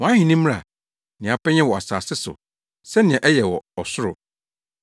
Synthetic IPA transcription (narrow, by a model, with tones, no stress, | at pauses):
wɔ̃˨ã˦hɪ̃˨nĩ˦m̃˦a̰˨ | nɪ̃˨a˨pɛ˦ɲɛ̃˦wɔ˨a˨saː˨sɪ˦sʊ̰˨ | sɛ˦nɪ̃˨ɛ̃˨ʔɛ˦jɛ˨wɔ˨ɔ˨sʊ˦ɾʊ̰˨